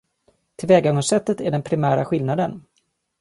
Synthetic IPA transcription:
t̪ʰɪlvɛːɡaɡɔsɛt̪ːət̪æɖɛnpʰɾɪmæːɾaɧɪlnad̪ən

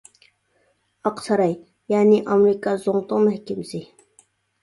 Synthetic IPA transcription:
ɑqsʰɑɾɑj | jaːniʔɑmɾikɑzoŋt̪omɛhkʲɪmsɪ

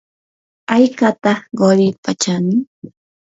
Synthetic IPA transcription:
ajkat̪aɢoɾɪpat͡ʃanɪ

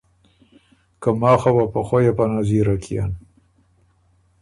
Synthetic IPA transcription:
kamɑːxabapaxojapanaziɾakia̰n

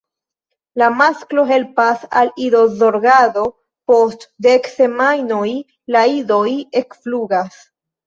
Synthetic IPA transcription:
lamasklo̞ɦe̞lpasalido̞zo̞ɾɡado̞ | po̞stdekse̞majno̞j | laido̞je̞kfluɡas

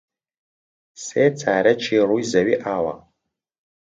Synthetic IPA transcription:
seːt͡sʰaːɾɐt͡ʃʰiːrujzɐɥiʔaːwɐ̰

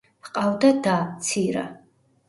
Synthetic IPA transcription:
qʼavd̪ad̪at̪sʰiɾa̰

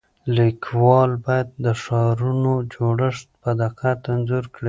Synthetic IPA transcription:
likwɑlbɑjad̪̚ːəʂɑɾunod͡ʒoɽəʂt̪̚bad̪aqat̪anzuɾkɽi

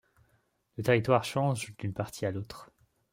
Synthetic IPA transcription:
lət̪eʁit̪waʁʃɑ̃ʒd̪ynpaʁt̪ʰialot̪χ

